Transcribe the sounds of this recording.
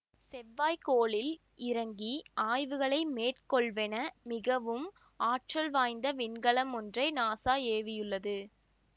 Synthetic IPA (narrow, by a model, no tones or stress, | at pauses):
sɛʋːaːjkoːɭɪl | ɪɾɐŋɡiʔaːjʋɯɣɐɭɐɪmeːʈkɔɭʋɛnɐmɪɣɐʋɯm | aːʈrɐlʋaːjnd̪ɐʋɪnɡɐɭɐmɔndrɐɪnaːsaːeːʋɪjɯɭːɐðɯ